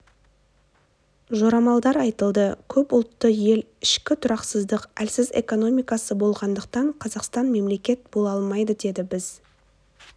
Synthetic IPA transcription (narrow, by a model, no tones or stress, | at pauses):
ʒo̞ɾɑmɑlˠd̪ɑɾɑjt̪əlˠd̪əkʲʰɵpʊlˠt̪ːəje̞l | ɪʃkʲɪt̪ʰʊɾɑqsəzd̪əqælsɪze̞̰ko̞no̞mijkɑsəbo̞lˠʁɑnd̪əq̚t̪ɑɴqʰɑzɑqst̪ɑnme̞mle̞kʲe̞t̪̚bo̞lˠɑlˠmɑjd̪əd̪e̞d̪ɪbɪz̥